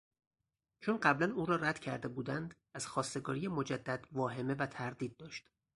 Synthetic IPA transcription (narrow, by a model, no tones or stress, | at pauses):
t͡ʃʰonɢæblænuːɾɒːɾæd̪̥cʰæɾd̪e̞buːd̪ænd̪ | æz̥xɒːst̪e̞ɡɒ̰ːɾijemo̞d͡ʒæd̪ːæd̪vɒːɦe̞me̞væt̪ʰæɾd̪iːd̪̚ːɒːʃt̪